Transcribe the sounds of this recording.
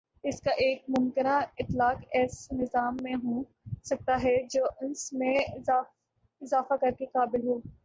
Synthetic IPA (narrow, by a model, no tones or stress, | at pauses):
ɪskaʔeːk̚mʊmkɪnaɪt̪laːkɛːsnɪzaːmːẽɦoː | sɐk̚t̪aɦɛd͡ʒoːʔʊnsmẽaː | ɪzaːfakɐɾkekaːbɪlɦoː